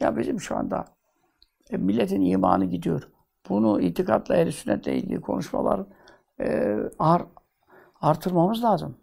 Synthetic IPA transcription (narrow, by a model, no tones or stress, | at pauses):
ja̰bizimʃua̰nd̪a | milʲːet̪ʰiniːmaːnɯɟid̪ijo̞ɾ | b̥unuiːt̪ʰikʰat̪lˠaelʲisynːɛt̪̚d̪e̞jḭlʲd̪ḭːkʰo̞̰nuʃmalˠa̰ɾ | aɾ | aɾt̪ʰɯɾmamɯzlˠaːzɯm